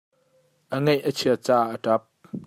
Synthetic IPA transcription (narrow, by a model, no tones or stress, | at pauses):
ʔəŋɛjʔət͡sʰiɐt͡saːʔətɐp̚